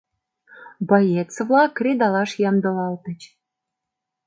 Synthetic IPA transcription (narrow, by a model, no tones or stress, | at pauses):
bɑjet͡svlɑkːrʲed̪ɑlɑʃjɑmd̪ɤ̆lɑlt̪ə̆t͡ɕ